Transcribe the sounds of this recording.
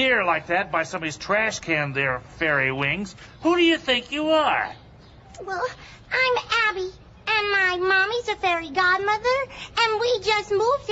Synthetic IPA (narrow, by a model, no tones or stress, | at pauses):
ɪɹlaɪk̚ðæt̚b̥aɪsʌ̃mʌvɨz̥tʰɹ̥æʃkʰæ̃nðə˞fɛɹiwɪ̃ŋz̥ | huɾɨjɨθɪ̃ŋkʰjɨə˞ | wɛlˠ | ãɪ̃mæbi | ɨ̃nmaɪmɑmizɨfɛɹiɡɑd̚mʌðə˞ɨ̃nwid͡ʒʌst̚muv̥